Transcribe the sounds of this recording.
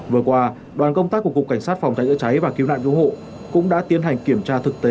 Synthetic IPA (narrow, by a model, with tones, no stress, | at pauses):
vɨ˨˩əkwaː˧ | ɗwaː˨˩nkə˧wŋ͡mt̪aː˦˥ku˧˩əkʊ˨˩k͡pkːa˧˩jŋ̟saː˦˥t̚fa˨˩wŋ͡mt͡ɕa˨˦jzɨ̰˧˥t͡ɕa˨˦jvaː˨˩ki˨˦wna̰ː˧˨ŋku˧˦ho̰˧˨ | kʊ̰˧˥ŋ͡mɗa̰ː˧˥t̪i˨˦ənɦa˨˩jŋ̟ki˧˩əmt͡ɕaː˧t̪ʰɨ˨˩k̚t̪e˨˦